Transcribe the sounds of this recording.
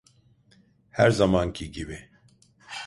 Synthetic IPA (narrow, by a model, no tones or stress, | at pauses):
hæɾzamaːncʰiɟibi